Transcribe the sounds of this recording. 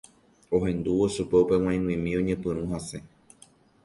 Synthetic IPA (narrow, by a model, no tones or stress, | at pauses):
o̞ɦẽ̞nd̪uoʃupe̞upe̞w̃ãj̃nw̃ĩmĩõɲẽpɨ̃ɾ̃ũɦase̞